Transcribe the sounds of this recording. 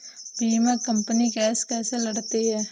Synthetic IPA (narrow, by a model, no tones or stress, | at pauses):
biːmɛ̃ːkəmpənikɛːskɛːseləɽt̪eɦɛː